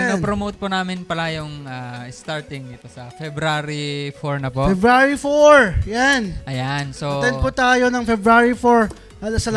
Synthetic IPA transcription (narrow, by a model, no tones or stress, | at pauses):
ɐnɐnpɾomot̪̚pʊnaːmɪnpɐlajʊŋaɪst̪aɹt̪ɪŋd̪ɪt̪osɐfɛbɾaɾifoɹnɐpofɛbɾaɹifoɹjanʔɐjansot̪ɛnd̪̚pʊt̪aːjonɐŋfɛbɾaɹifoɹ | sɐl